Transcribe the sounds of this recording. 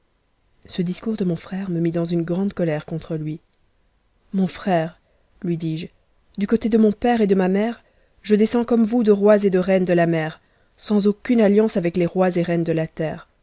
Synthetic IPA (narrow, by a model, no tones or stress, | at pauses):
səd̪iskuʁd̪əmɔ̃fχɛʁməmid̪ɑ̃zynɡʁɑ̃d̪kɔlɛʁkɔ̃t̪χəlɥi | mɔ̃fχɛʁ | lɥid̪iʒ | d̪ykot̪ed̪əmɔ̃pɛʁed̪əmamɛːʁ | ʒəd̪esɑ̃kɔmvud̪əʁwazed̪əʁɛnd̪əlamɛːʁ | sɑ̃zokʲynaljɑ̃savɛkleʁwazeʁɛnd̪əlat̪ɛːʁ